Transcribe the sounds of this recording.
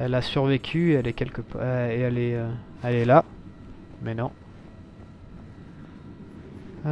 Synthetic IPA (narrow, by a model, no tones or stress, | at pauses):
ɛlasyʁvekʲʰyeɛlɛkʲɛlkəpeɛlɛøɛlɛla | mɛnɔ̃